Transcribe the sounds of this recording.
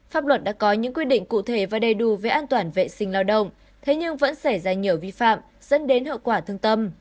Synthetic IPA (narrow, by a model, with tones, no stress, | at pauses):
faː˦˥p̚lwə˨˩t̚ɗa̰ː˧˥kɔ˨˦ɲɨ̰˧˥ŋkwi˧əɗḭ̈˧˨ŋ̟kṵ˧˨t̪ʰe˧˩vaː˨˩ɗə˨˩jɗu˨˩veː˨˦ʔaː˧nt̪waː˧˩nvḛ˧˨sï˧˩ŋ̟laː˧wɗə̰˧˨wŋ͡m | t̪ʰe˨˦ɲɨ˧ŋvə̰˧˥nsa˧˩jzaː˧˩ɲi˨˩əwvi˧fa̰ː˧˨m | z̥ə̰˧˥nɗe˨˦nɦə̰˧˨wkwaː˧˩t̪ʰɨ˧əŋt̪ə˧m